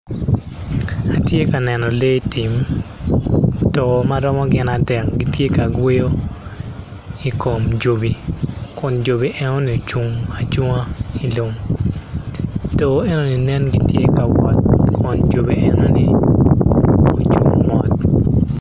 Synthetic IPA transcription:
a˨tje˦ka˨nɛ˨nɔ˨le˦ti˨m | tɔ˨maɾɔ˦mɔ˦ɡɪ˨nadɛ˨k̚ɡi˦tje˦ka˨ɡwe˦jo˦ | i˨ko˨md͡ʒo˨bi˨kɔ˨nd͡ʒo˨bi˨ʔɛ˦no˦ni˨o˨t͡ʃu˨ŋa˨d͡ʒʊ˦ŋa˦i˨lo˨ŋ | to˨ɛ˦no˦ni˨nɛ˦nɡi˦tje˦ka˨wɔ˨t̪̚kʰɔ˨nd͡ʒo˨bi˨ʔɛ˦no˦nɪ˦ | o˨t͡ʃṵ˨ŋmɔ˨t̪̚

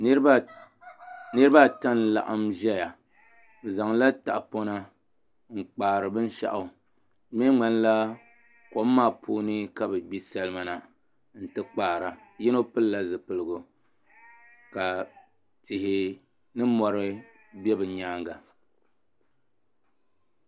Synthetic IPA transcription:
nɨ˦ɾɨ˦ba˦ta˦nla̰˨ʔa˦mʒɛ˦ja˨ | b̩˨za˨ŋla˦ta̰˨ʔpo˦na˦ | ŋ͡m̩˨k͡paː˨ɾɨ˨bɨ˦n˦ʃa̰˦ʔʊ˦ | mɛ˦ŋ͡ma˦n˦la˦ | ko˨˦mː˦aː˦˨pʰuː˦nɨ˦ka˦bɛ˨ɡ͡bi˦sɛ˦lɨ˦ma˨na˨ | n̩˨tɨ˦k͡paː˨ɾa˨ | jɪ˦no˦pɨ˦lla˦zɨ˨pɨ˨lɨ˦˨ɡʊ˨ | ka˨ | tɪ˨ɦɪ˨ | nɨ˦mɔ˨ɾɨ˦ | bɛ˦bɨ˨ɲaː˦ŋɡa˨

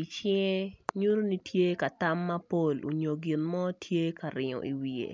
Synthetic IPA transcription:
i˨t͡ʃɛ˦ŋe˦ɲu˦ɾo˦ni˦tʰje˦ka˨ta˦mːɐ˦po˦˨lo̰˨ɲo˨ɡɪ˨nmɔ˦tʰje˦ka˨ɾɪ˨ŋɔ̰˨ʔi˨wi˨ḛ˨

